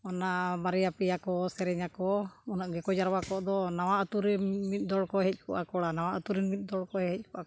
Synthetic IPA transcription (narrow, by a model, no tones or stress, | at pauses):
ɔnamaɾɛjapɛjakɔsɛɾɛɲakɔɔnɔʔɡɛkɔd͡ʒaɾwakɔd̪ɔnawaʔət̪uɾɛmit̪̚ˀd̪ɔɽkɔɦɛc̚ˀkɔʔakɔɽanawaʔət̪uɾinmit̪̚d̪ɔɽkɔɦɦɛc̚ˀkɔʔak